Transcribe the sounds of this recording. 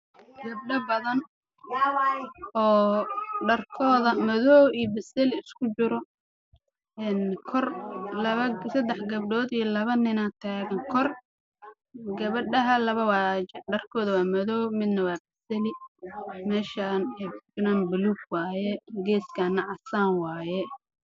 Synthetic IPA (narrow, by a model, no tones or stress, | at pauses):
ɡɐbɖɐbɐðɐn | ɔːɖɐrkʰɔːðɐmɔðɔwijbɪsɛlɪɪskʰʊt͡ʃɪɾɔ | ɛnkʰɔrlɐβɐsɐd̪ɛħɡɐb̚ɖɔːd̪ijɞlɐβɐnɪnat̪ʰaːɣɐŋkʰɔr | ɡɐβɐɖɐɦɐlɐβɐwaːt͡ʃɖɐrkʰɔːðɐwaːmɐðɔwmɪd̪nɐwaːbɐsɛlɪ | mɛːʃanɛd͡ʒɪnambʊluːɡwaːjɛɡɛːskʰaːnːɐʕɑsaːnwaːjɛ